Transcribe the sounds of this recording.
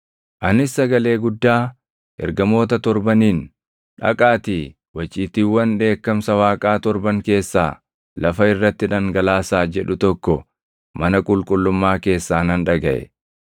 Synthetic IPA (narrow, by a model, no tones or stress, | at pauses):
ʔɐnɪsːɐɡɐle̞ːɡʊd̪ːaː | ɛ̰ɾɡɐmo̞ːt̪ɐt̪ɔɾbɐniːn | ᶑɐ̰kʼaːt̪i | wɐt͡ʃʼːiːt̪iːwːɐnᶑe̞ːkːɐmsɐwaːkʼaːt̪ɔɾbɐŋke̞ːsːa̰ː | lʔɐfɐɪrːɐt̪ːɪᶑɐŋɡɐlaːsaːd͡ʒɛᶑʊt̪ɔkːɔ | mɐnɐkʼʊlkʼʊlːʊmːaːke̞ːsːaːnɐnᶑɐɡɐʔɛ̰